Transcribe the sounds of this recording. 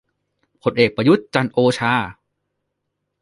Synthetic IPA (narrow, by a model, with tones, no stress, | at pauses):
pʰo˧˥nʔeː˨˩k̚pɾa˧ju˦˥t̪̚t͡ɕa˧nʔoː˧t͡ɕʰaː˧